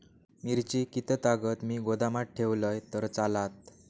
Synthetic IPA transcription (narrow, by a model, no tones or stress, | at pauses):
miɾt͡ɕiːkit̪ʰət̪aɡət̪miːɡod̪amaʈ̚ʈʰeʋləjt̪əɾt͡salat̪